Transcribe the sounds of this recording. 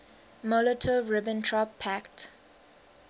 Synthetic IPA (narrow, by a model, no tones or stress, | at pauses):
mɔlətʰəɹɪbə̃ntʰɹɔpʰːækt